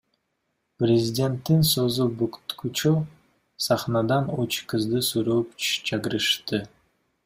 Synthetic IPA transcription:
prʲɪzʲɪdʲe̞nt̪ːinsozubukt̪kut͡ʃu | sɑχnɑd̪ɑnot͡ʃkɯzd̪ɯsuɾoːpt͡ʃʰɑkɯɾɯʃt̪ɯ

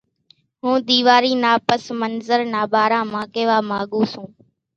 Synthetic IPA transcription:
ɦũːd̪iːʋaːɾiːnaːpəsmənzəɾnaːɓaːɾãːmãːkeːʋaːmaːɠuːsũː

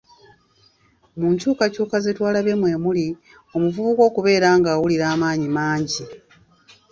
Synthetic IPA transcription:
muːɲcuːkacuːkazitwaːlaβe̞mwe̞ːmuli | o̞muvuβuko̞ːkuβe̞ːɾaːŋɡaːwuliɾaːmaːɲimaːɲɟi

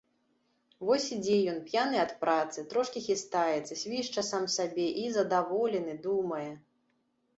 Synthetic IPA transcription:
vɔsʲid͡zʲɛjɔnpjanɨɐt̪pɾat̪sɨt̪ɾɔʂkʲixʲist̪ajɛt̪sːɐsʲvʲiʂt͡ʂɐsamsabʲɛʔizɐd̪avɔlʲɛnɨd̪umɐjɛ

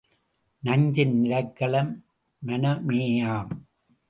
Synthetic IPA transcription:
nɐɲd͡ʒɪnnɪɾɐɪkːɐɭɐmː | ɐnɐmeːjaːm

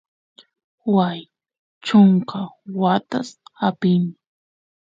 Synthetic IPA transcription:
waj | t͡ʃʊŋkawat̪asapɪmɪ

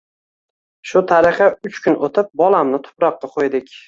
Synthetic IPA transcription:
ʃʊt̪ʰaɾɪχaʊt͡ʃkʰʊnʔot̪ʰɪp̚bɒlˠamnɪt̪ʰʊ̥pɾɒqːɑqʰojd̪ɪkʲ

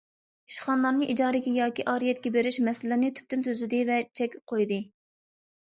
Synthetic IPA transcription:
iʃχɑnlˠɑɾnɨʔid͡ʒɑːɾɪkʲɛjɑːkʲiʔɑːɾijɛt̪̚kʲɛbeɾɪʃmɛsɪlɪnɪt̪ʰy̥p̚t̪ynt̪ʰøzɪd̪ɪvɛt͡ʃʰɛkʲp̚qʰojd̪ɨ

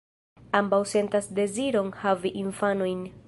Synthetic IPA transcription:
ambawse̞ntasde̞ziɾo̞nhaviʔiɱfanojn

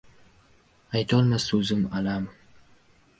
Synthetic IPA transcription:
ajt̪ʰɒlˠmasɵzɪmalam

